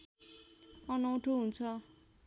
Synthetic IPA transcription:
ʌnʌw̃ʈʰoɦunt͡sʰʌ

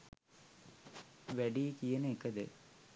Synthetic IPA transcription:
ʋeɖijkijɐnekːɐd̪ɨ̰

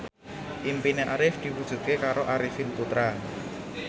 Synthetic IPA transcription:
ʔimpineʔaɾɪfd̪̥i̤wud̥ʒ̥ṳt̪̚kekaɾoʔaɾɪfɪnput̪ɾa

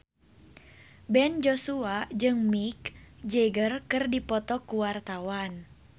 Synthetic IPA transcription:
bɛnd͡ʒɔsuad͡ʒɨŋmikd͡ʒɛɡərkɨrdipɔt̪ɔkuwart̪awan

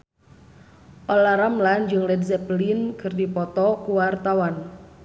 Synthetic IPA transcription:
ʔɔlaɾamland͡ʒɨŋlɛdzɛplinkʰɨrdipɔt̪ɔkuwart̪awan

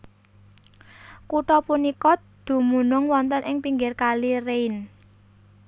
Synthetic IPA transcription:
kuʈɔpunikɔ | d̪̥ṳmunʊŋwɔnt̪ənʔɪŋpiŋɡɪrkalireɪn

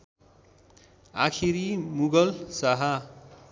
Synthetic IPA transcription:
a̰kʰiɾimuɡʌlsaɦa

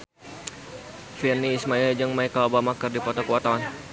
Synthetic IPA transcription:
firniːsmaild͡ʒəŋmaikalobamakɨrdipɔt̪ɔkəwat̪awan

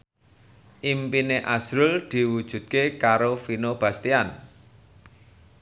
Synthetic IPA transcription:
ʔimpineʔasɾʊld̪̥i̤wud̥ʒ̥ṳt̪̚kekaɾofinob̥a̤st̪ian

